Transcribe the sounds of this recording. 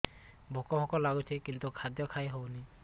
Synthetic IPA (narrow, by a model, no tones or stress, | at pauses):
bʱɔkɔɦʰɔkɔlːaɡutʰɛkint̪ukʰad̪jɔkʰajɦowni